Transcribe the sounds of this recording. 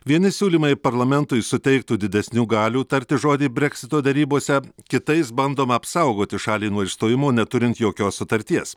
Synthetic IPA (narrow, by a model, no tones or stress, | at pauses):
ʋʲiɛnʲɪsʲuːlʲiːmɐɪpɐɾlˠɐmʲɛnt̪ʊɪsʊt̪ʲɛɪk̚t̪uːd̪ʲɪd̪ʲɛsʲnʲuːɡɑːlʲuːt̪ɐɾʲt̪ʲɪʒoːd̪ʲiːbʲɾʲɛkʲsʲɪt̪oːd̪ʲɛɾʲiːboːsʲɛkʲɪt̪ɐɪs̬bɐnd̪oːmɐɐpsɐʊɡoːt̪ʲɪʃɑːlʲiːnuɔɪʃst̪oːjɪmoːnʲɛt̪ʊɾʲɪnt̪joːkʲoːssʊt̪ɐɾʲt̪ʲiɛs